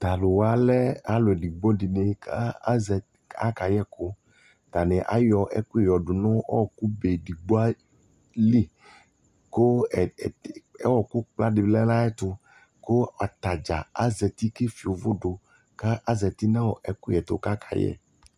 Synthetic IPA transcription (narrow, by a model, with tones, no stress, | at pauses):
t̪a˨lo˨wa˦lɛ˦a˦lo˨ɖi˨ɡ͡bɔ˦di˨ne˨a˦zɛ˨ | a̰˦ka˨jɛ˦ko˦ | t̪a˨nɛ̃˨ʔa̰˦jɔ˨ʔɛ̰˦ku˦˨jɔ˨ɖo˨nɔ̃˦ɔ˦˨ku˦be˨ɖi˨ɡ͡bo˦a˦ | li˦ | ko˦˨ | ɛ˦wɔ˨ku˦k͡pla˦ɖi˨blɛ˦la˦ɛ˦t̪ʊ˦ | ko˦a˨t̪a˨d͡ʒa˨a˦zɛ˨t̪i˦ke˦fi˨wo˨vo˦ɖo˨ | ka˦ʔa˦zɛ˨t̪i˦nã˦wɔ˨ʔɛ˨ku˦ɛ˨t̪o˦ka˦kʰa̰˨jɛ̰˦˨